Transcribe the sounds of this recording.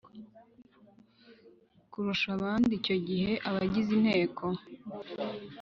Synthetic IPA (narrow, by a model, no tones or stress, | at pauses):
kuɾuʃaβaːndico̞ɟihe̞ʔaβaɟizin̥he̞ːkʰo̞